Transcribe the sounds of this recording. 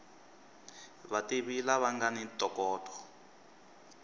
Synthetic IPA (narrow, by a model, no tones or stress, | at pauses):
βatiβilaβaŋɡanitɔkɔːtʰʼɔ̥